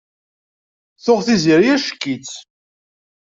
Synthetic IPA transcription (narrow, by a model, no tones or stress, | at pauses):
θʊʁθiziɾjæʃə̥kːit͡s